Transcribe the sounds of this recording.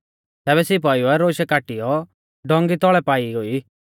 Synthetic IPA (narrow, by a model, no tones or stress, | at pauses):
t̪ɛːβɛsɪp̬aːjuɛɾoːʃɛkaʈijɔ | ɖɔ̃ŋɡit̪ɔɭɛpaːioi